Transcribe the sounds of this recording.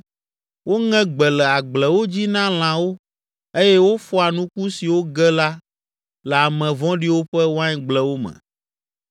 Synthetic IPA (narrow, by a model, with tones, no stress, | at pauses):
wo˦ŋɛ̃˦ɡ͡bɛ˨lɛ˨a˨ɡ͡blɛ˨wo˦d͡ʑi˦nã˦l̃ã˨wo˦ | e˦jɛ˦wo˦fɔ˦a˨nũ˦ku˦si˨wo˦ɡɛ˦la˦ | lɛ˨a˨mɛ̃˨vɔ̃˦ɖi˦wo˦ɸɛ˦wo˦a˦ɲɛ˦ɡ͡blɛ˦wo˦mɛ̰̃˨